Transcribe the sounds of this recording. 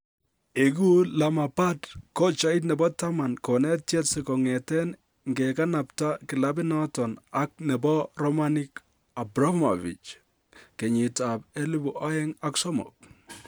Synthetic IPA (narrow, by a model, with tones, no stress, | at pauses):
eɡu˦la˨ma˨pa˦tkɔ˦t͡ʃa˦i˦t̬nɛ˨bɔ˦ta˦ma˨nkɔ˨nɛ˦tɛ˦tsikɔ˨ŋɛtɛ˦n | ŋɡeka˦na˨pta˦kɪ˨la˦bi˦nɔtɔ˨na˦k̚nɛ˨bɔ˦ɾɔ˦ma˦nik | a˨bɾɔ˦ma̰˨vḭ˨t͡ʃ | ke˨ɲi˨tabe˦li˦bu˨ʔa˦jɛ˦ŋa˦ksɔ˦mɔ̰˨k̚